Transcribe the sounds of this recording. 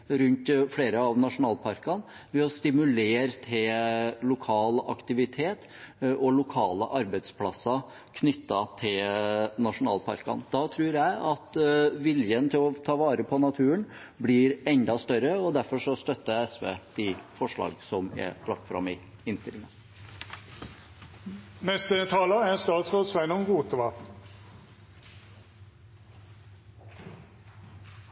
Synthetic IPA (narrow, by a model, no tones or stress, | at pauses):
ɾʉnt̪fɽeːɾəɑʋnɑʂʊnɑːlpʰɑɾkɑn | ʋɛɔst̪ɪmʉleːɾt̪ʰɪllʊkʰɑːlɑ̰kt̪ɪʋɪt̪ʰeːt̪ | ʔɔlʊkʰɑːləʔɑɾbɛd̪spʰlɑsːɑ | kʰnʏt̪ːɑt̪ʰɪlnɑʂʊnɑ̰ːlpʰɑ̰ɾkɑ̰nd̪̥ɑt̪ʰɾʉːɾjæɪʔɑt̪ʋɪljənt̪ʰɪlɔt̪ʰɑːʋɑːɾəpʰɔnɑt̪ʰʉːən | blɪɾɛnd̪ɑst̪œɾəɔd̪æɾfɔʂɔst̪œt̪ːəɛsʋḛːd̪̥ɪfɔʂɭɑ̰ːɡsɔmɛ̰lɑk̚t̪fɾɑ̰mɪ | ɪnst̪ɪlɪŋɑn | nɛst̪ət̪ʰɑːləæst̪ɑːt̪sʁod̪sʋɛɪnɔnɡuːt̪əʋɑ